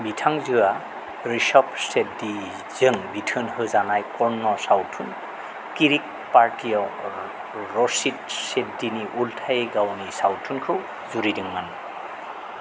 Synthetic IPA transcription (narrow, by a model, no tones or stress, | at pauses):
bitʰaŋzɯa | ɾisɔp̚sedi | z̥ɯŋbitʰɯnhɯzanajkɔɹnːɔsawtʰun | kiɾik̚paɾtijaw | ɾɔsit̚set̚diniʔultʰajɡawnisawtʰunkʰɯw | zuɾidɯŋman